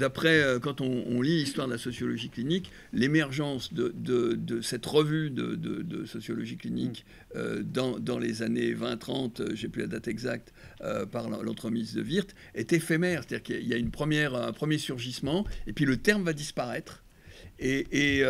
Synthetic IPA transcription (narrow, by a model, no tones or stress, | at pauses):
d̪apχɛøkɑ̃t̪ɔ̃ːlilist̪waʁd̪əlasɔsjɔlɔʒiklinik | lemɛʁʒɑ̃sd̪əd̪əd̪əsɛt̪ʁəvyd̪ə̰d̪ə̰d̪ə̰sɔsjɔlɔʒiklinik | ø̰d̪ɑ̃d̪ɑ̃lḛzanevɛ̃t̪χɑ̰̃t̪ʒepyla̰d̪at̪ɛɡzak̚t̪ø̰paʁlɑ̰̃lʔɑ̰̃t̪χəmizd̪ə̰viʁt̪ | ɛt̪ɛfɛmɛʁse̥t̪ad̪iʁkailjaynpχəmjɛʁɛ̰̃pχəmjesyʁʒismɑ̃epɥilət̪ɛʁmvad̪ispaʁɛt̪χ | eː